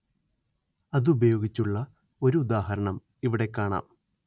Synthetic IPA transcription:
ɐðubɐjo̞ːɡit͡ɕːuɭːɐ | o̞ɾuud̪aːɦɐɾɐɳɐm | iʋiɽe̞kːaːɳa̰ːm

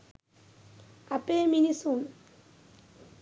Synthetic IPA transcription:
ɐpeminisum

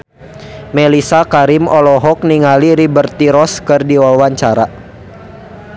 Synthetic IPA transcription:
mɛlisakaɾimɔlɔɦɔk̚niŋaliɾibərt̪iɾɔskərdiwɔwaɲt͡ʃaɾa

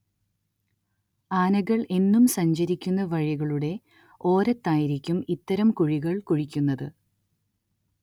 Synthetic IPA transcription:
aːnɐɣɐɭe̞nːumsɐɲd͡ʑɐɾikʲːunːɐʋɐɻiɣɐɭuɽe̞ | o̞ːɾɐt̪ːaːjiɾikʲːumit̪ːɐɾɐmkuɻiɣɐɭkuɻikʲːunːɐðɨ

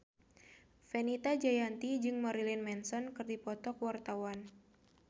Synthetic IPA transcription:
fɛnit̪ad͡ʒajant̪id͡ʒɨŋmɔɾilinmɛnsɔnkɨrdipɔt̪ɔkwart̪awan

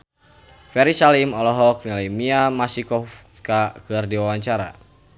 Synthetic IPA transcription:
fɛɾisalimɔlɔɦɔk̚nalimiamasikɔf | kakɨrdiwawaɲt͡ʃaɾa̰

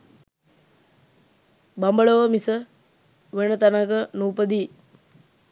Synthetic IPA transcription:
bambəɭoʋəmisə | ʋenət̪anəkənuːpəd̪iː

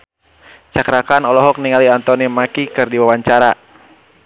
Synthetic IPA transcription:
t͡ʃakɾakanɔlɔɦɔk̚niŋaliant̪ɔnimakikɨrdiwawaɲt͡ʃaɾa

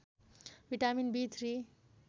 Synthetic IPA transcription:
bʱiʈaminbit̪ʰɾi

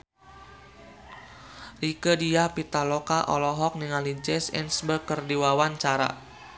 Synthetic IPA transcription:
rikədijapit̪alɔkaʔɔ̰lɔɦɔk̚niŋalid͡ʒɛsɛ̰nsbərkərdiwawant͡ʃaɾa̰

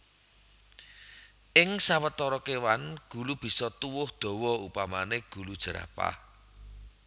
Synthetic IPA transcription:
ʔɪŋsawət̪ɔɾɔkewanɡ̥ṳlub̥i̤sɔt̪uwʊhd̪̥ɔ̤wɔupamaneɡ̥ṳlud̥ʒ̥ə̤ɾa̰pa̰

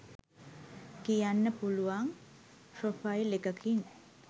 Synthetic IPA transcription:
kijanːəpuluʋaŋ | pɾofajlekəkʰin

